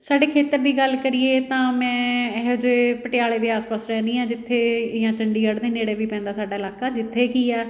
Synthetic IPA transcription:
saːɖeːkʰeːt̪əɾd̪iːɡəlkəɾɪːeːt̪ãːmɛ̃ːɦd͡ʒeːpəʈɪjaːɭeːd̪eːaːspaːsɾɛːnĩːɛ̃ːd͡ʒɪt̪ʰːeːjãːt͡ʃəɳɖiːəɽd̪eːneːɽeːbiːpɛ̃ːnd̪aːsaːɖaːɪlaːkaːd͡ʒɪt̪ʰːeːkiːɛː

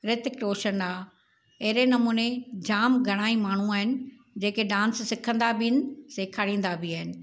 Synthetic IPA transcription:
ɾɪt̪ɪkɾoːʃənaː | ɐɦɪɾenɐmuːned͡ʑaːmɡʱɐɽ̃aːimaːɳ̤ũaːɦɪnɪ̆ | d͡ʑeːkeɖãːnssɪkʰə̃nd̪abɪɪnɪ̆seːkʰaɽĩːn̆d̪abiaːɦɪnɪ̆

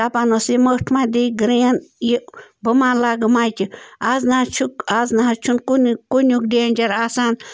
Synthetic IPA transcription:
taːpaːnoseməʈʰmad̪iɡɾenjibəmaːnlaːɡəmajt͡ʃiaznat͡ʃʰukaznaɦɐt͡ʃʰunkunkonʲukɖend͡ʒɐɾaːsaːn

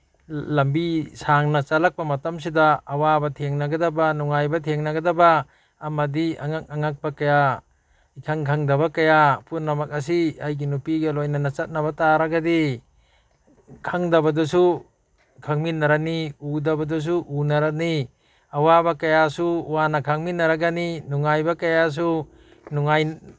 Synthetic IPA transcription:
lɐmbisaŋnɐt͡ʃɐlak̚pɐmɐtɐms̬idɐɐwabɐtʰeŋnɐɡɐdɐbɐnuŋajbɐtʰeŋnɐɡɐdɐbɐː | mɐdiɐ̰ŋak̚ɐŋak̚pɐkɐja | ikʰaŋkʰɐŋdɐβɐkɐjapunːɐmɐk̚ɐs̬iajɡinupiɡɐlojnɐnɐt͡ʃɐt̚nɐβɐtaɾɐɡɐdi | kʰaŋdɐbɐdusu | kʰaŋminːɐɾaniudɐbɐdus̬uʔunɐɾani | ɐwabɐkɐjasuwanɐkʰaŋminːɐɾaɡaninuŋajbɐkɐjas̬u | nuŋaj

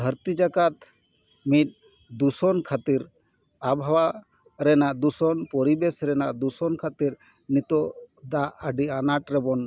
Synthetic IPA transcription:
d̪ʱəɾt̪id͡ʒakat̪ | mit̪̚ | d̪usɔnkʰat̪iɾ | abʱawa | ɾɛnaʔd̪usɔnpɔɾibɛsɾɛnaʔd̪usɔnkʰat̪iɾ | nit̪ɔd̪aʔəɖianaʈɾɛbɔn

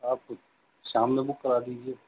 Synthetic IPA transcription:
aːp̚ | ʃaːmnebʊkkːəɾaːd̪iːd͡ʒieː

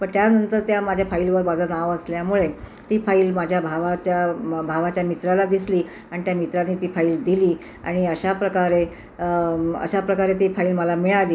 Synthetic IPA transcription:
pəɳt̪janənt̪əɾt̪jamad͡ʑʱjafailʋəɾbad͡zanaʋəsljamuɭet̪iːfaiːlmad͡ʑʱjabʱaʋat͡ɕjabʱaʋat͡ɕjamit̪ɾalad̪isliː | aɽ̃it̪jamit̪ɾanːit̪iːfaiːld̪iliː | a̰ɽ̃iəɕapɾəkaɾe | ə̰ɕapɾəkaɾet̪iːfaiːlməlamiɭaliː

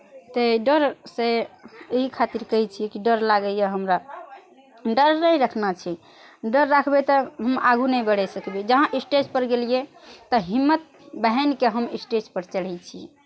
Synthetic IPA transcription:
t̪əɖəɾseɦikʰat̪iɾkəɦit͡ʃʰijekiɖəɾlaɡəjaɦəmɾa | ɖəɾːəjɾəkʰnat͡ʃʰi | ɖəɾːakʰbet̪ɔɦəmaɡʱunəjbəɽɛsəkbed͡ʒəɦãʔisʈed͡ʒpəɾɡelije | t̪ɔɦimːət̪̚ | bəɦənkeɦəmisʈed͡ʒpəɾt͡ʃəl̤ɛt͡ʃʰi

